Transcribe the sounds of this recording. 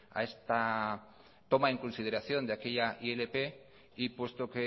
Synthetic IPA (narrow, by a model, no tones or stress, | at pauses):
a̰est̪a | t̪o̞maeŋkonsið̞eɾaθjo̞nd̪eakeʎaʔielepe | ipwe̞st̪oke